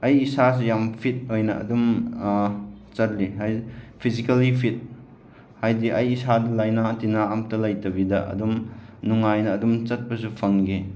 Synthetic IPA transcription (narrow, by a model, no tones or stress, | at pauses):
ɐjisas̬ujampʰit̚ojnɐɐ̰dum | t͡ʃɐt̚liɦajpʰizikɐlipʰit̚ | hajdiʔɐjisadɐlajnatinaːmtɐlajtɐbidɐ̰ʔɐ̰dumnuŋajnɐːdumt͡ʃɐt̚pɐsupʰɐŋɡe